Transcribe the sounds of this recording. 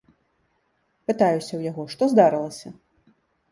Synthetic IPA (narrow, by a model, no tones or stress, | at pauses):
pɨt̪ajusʲɐwjaɣɔʂt̪ɔzd̪aɾɨlˠɐsʲɐ